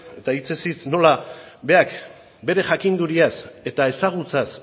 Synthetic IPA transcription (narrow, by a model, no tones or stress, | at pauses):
e̞t̪ait͡sesisno̞labe̞ak | be̞ɾe̞ʝakind̪uɾiase̞t̪ae̞saɣ̞ut͡sas